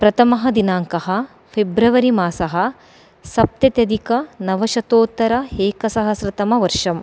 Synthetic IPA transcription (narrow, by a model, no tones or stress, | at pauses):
pɾɐt̪ʰɐmɐɦɐd̪inaːŋkɐɦɐ̆ | pʰebɾɐʋɐɾimaːsɐɦɐ̆ | sɐp̚t̪jɐt̪jɐd̪ʱikɐnɐʋɐʃɐt̪oːt̪ːɐɾɐeːkɐsɐɦɐsɾɪt̪ɐmɐʋɐɾʂɐm